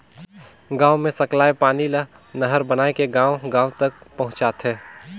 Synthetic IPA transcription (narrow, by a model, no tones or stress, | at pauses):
ɡãːwmẽsɐklaːepaːnilə | nɐɦəɾbɐnaːekeɡãːwɡãːwt̪ɐk̚pɐɦʊ̃t͡ʃaːt̪ɦɛː